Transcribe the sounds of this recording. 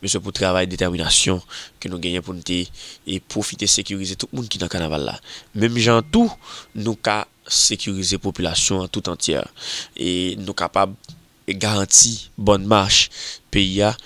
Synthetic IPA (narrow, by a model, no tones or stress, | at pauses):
møsjøput̪ʁavajd̪etɛʁminasjɔ̃kønũɡɛ̃jɛ̃punũt̪epʁofit̪esekyʁizet̪ut̪̚mũnkinɐ̃kanava̰lːa̰mɛ̃mʒãt̪unũka | sekyʁizepopylasjɔ̃ãt̪ut̪ɑ̃t͡sjɛ̰enũkapab | ɡaʁãtibɔnmaʃpeia